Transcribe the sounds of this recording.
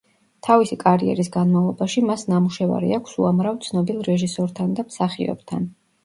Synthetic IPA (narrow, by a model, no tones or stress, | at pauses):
t̪ʰavisikʼaɾiɛ̰ɾisɡanmavlˠɔbaʃimasnamuʃɛva̰ɾḭakʷʰsuamɾavt̪sʰnɔbilˠɾɛʒisɔɾt̪ʰand̪amsaχiɔ̰bt̪ʰan